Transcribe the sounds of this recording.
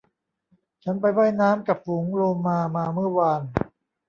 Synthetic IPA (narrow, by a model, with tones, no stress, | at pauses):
t͡ɕʰa˦˥npa˧jwa˥˩jnaː˦˥mka˨˩p̚fu˩˦ŋɾoː˧mːaː˧maː˧mɯ˥˩ɐwaː˧n